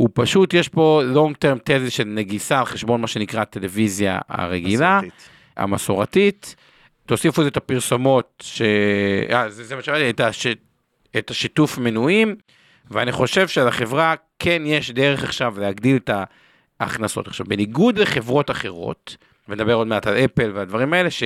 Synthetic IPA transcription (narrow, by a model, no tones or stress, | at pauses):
upaʃutjeʃpo̞lo̞ŋɡt̪eʁmt̪ellʃe̞lneɡisalχe̞ʃbo̞nmaʃe̞nikʁate̞le̞vizja̰a̰ʁeɡila | a̰maso̞ʁatitː | osifuezetapiʁso̞mo̞t̚ʃeazezemaʃemalietaʃ | etaʃitufmenuim | veaniχo̞ʃe̞vʃealaχe̞vʁakʰenjeʃd̪e̞ʁeχaχʃavleaɡdileta̰ː | χnaso̞̰taχʃa̰vbeniɡud̪leχe̞vʁo̞taχe̞ʁo̞̰t̪ | vened̪abe̞ʁo̞d̪meatalepe̞lvead̪vaʁimae̞le̞ʃe